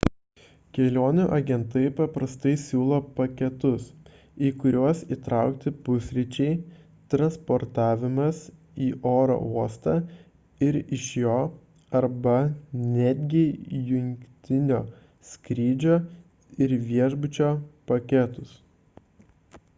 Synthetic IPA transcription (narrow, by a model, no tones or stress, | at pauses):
kʲɛlʲoːnʲuʔɐɡʲɛnt̪ɐɪpɐpɾɐst̪ɐɪsʲuːlˠɐpɐkʲɛt̪ʊs | iːkʊɾʲuɔsiːt̪ɾɑˑʊkt̪ʲɪpʊsʲɾʲɪt͡ʃʲɛɪ | t̪ɾɐnspɔɾt̪ɑːʋʲɪmɐs | iːʔoːɾo̰uɔst̪ɑː | ɪɾɪʃjoː | ɐɾbɐnʲæːd̪ʲɡʲɪjʊŋʲkʲkʲt̪ʲɪnʲoː | sʲkɾʲiːd͡ʒʲoː | ɪɾʋʲiɛʒbʊt͡ʃʲoːpɐkʲɛt̪ʊs